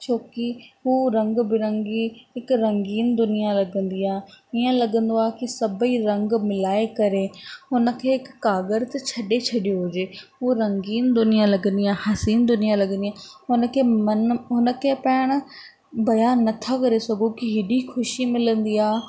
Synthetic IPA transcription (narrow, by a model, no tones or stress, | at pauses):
t͡ʃʰoːkiɦuːɾɐ̃ŋɡbɪɾə̃ŋɡiɦɪkɾɐ̃ŋɡiːnd̪ʊnijãlɐɡə̃nd̪iːaːɪːãlɐɡə̃nd̪oaːkɪsɐbiɾɐ̃ŋɡmɪlaːekɐɾeːɦʊnə̆kʰeːɪkːaːɡəɾt̪t͡ʃʰɐɗet͡ʃʰɐɗijoɦʊd͡ʒeːɦuːɾɐ̃ŋɡiːnd̪ʊnɪjãlɐɡə̃nd̪iãːɦɐsiːnd̪ʊnijãlɐɡənd̪ijaːɦʊnəkʰeːmənʊnəkʰeːpɛːɪɽ̃ | bɐjaːnːɐt̪ʰakɐɾesɐɡʱokiɦɪɗikʰʊʃimɪlə̃nd̪iːaː